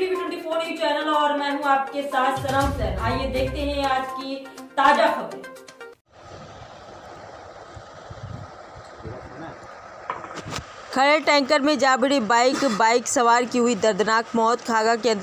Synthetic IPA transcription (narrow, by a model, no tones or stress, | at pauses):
ibɪʈʊ̃ɳʈifoːnɪ̃ŋt͡ʃɛːnəlɔːɾmɛ̃ːɦũaːp̚kesaːt̪ʰsɐɾə̃msɛaːjed̪eːkʰt̪eɦɛ̃aːd͡ʒkit̪aːd͡ʒaxɐbɾi | kʰɐɽeʈɛ̃ːŋkəɾmẽd͡ʒaːbɽibaːɪkbaːɪksɐʋaːɾkiɦʊid̪ɐɾd̪ʱnaːkmɔːt̪kʰaːɡakẽɐ̃nd̪